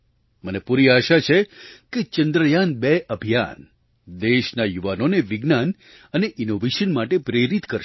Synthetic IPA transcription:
mənepuɾiaʃat͡ʃʰeket͡ʃənd̪ɾəjanbeʔəbʱija̰n | d̪eʃnajuʋanoneʋɪɡnan | əneʔinoʋeʃənmaʈepɾeɾit̪kəɾʃ

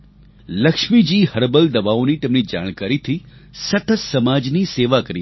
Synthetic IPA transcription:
ləkʃmid͡ʒiːhəɾbəld̪əbaonit̪emnid͡ʒa̰ːɽ̃kaɾit̪ʰi | sət̪əssəmad͡ʒniseːʋakəɾi

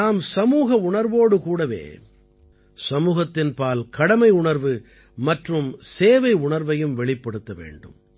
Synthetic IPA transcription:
aːmsɐmuːɣɐʊɳɐɾʋoːɽɯkuːɽɐʋḛː | sɐmuːɣɐt̪ːɪnpaːlkɐɽɐmɐɪʊɳɐɾʋɯ | mɐʈrɯmseːʋɐɪʊɳɐɾʋɐjɯmʋɛɭɪpːɐɽɯt̪ːɐʋḛːɳɖɯ̰m

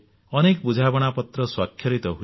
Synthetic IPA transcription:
ʌnekbud͡ʒʱabɔɽ̃apɔt̪ɾɔswakʰːjʌɾit̪ɔɦu

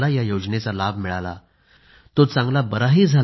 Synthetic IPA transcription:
lajajod͡ʑnet͡salabʱmiɭala̰ | t̪ot͡sãŋɡlabəɾaɦiːd͡zʱa

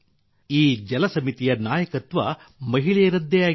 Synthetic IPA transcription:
iːd͡ʒɛlɐsɐmit̪ijɐnaːjɐkɐt̪ʋɐ | mɐɦiɭɛjɐɾɐd̪ʱːɛjaː

